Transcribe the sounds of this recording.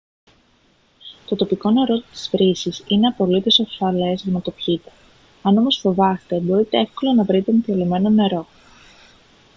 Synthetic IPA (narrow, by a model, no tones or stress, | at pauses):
t̪o̞t̪o̞piko̞ne̞ɾo̞t̪i̥sfɾisisine̞ɐpo̞lit̪osofɐle̞zʝɐnɐt̪o̞pçit̪e̥ | ɐno̞mo̞sfo̞vɐst̪e̞bo̞ɾit̪e̞e̞fko̞lɐnɐvɾit̪enet̪elime̞no̞ne̞ɾo̞